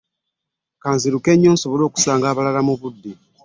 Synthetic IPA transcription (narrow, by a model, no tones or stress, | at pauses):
kaːnziɾuke̞ɲːoːnso̞βo̞lo̞ːku̥saːŋɡaːβalalamuβudːi